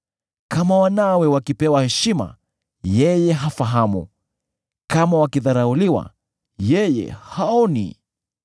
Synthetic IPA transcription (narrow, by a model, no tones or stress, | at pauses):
kamawanawɛwakipɛwahɛʃima̰ | jɛjɛɦafaɦamṵ | kamawakiðaɾauliwa̰ | jɛjɛ̰haɔnḭ